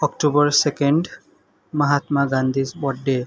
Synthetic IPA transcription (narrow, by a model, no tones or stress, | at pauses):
ɔkʈubɔɹsekeɳɖ | mɐɦat̪maɡand̪ʱizbɔɖe